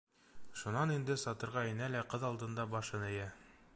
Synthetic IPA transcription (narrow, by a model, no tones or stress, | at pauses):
ʃunɑnind̪ɘsɒt̪ɤ̆ɾʁɑinælæqɤðɑlˠd̪ɤ̆nd̪ɑbɑʃɤnɘ̆jæ